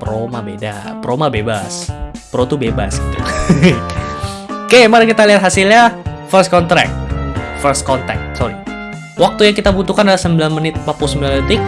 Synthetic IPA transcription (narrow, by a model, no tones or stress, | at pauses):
pəɾomabeda̰pɾomabebaspəɾot̪ubeba̰sɡit̪ṵ | kemanakit̪aliat̪̚ɦasilɲafəs̚kɔnt̪ɾɛ̰k̚t̪̚fərst̪̚kɔnt̪ɾɛ̰k̚t̪̚sɔɾi | wʔak̚t̪ujaŋkit̪abut̪ukanalasəmbilanmənɪt̪̚papʊsəmbilanət̪ɪk̚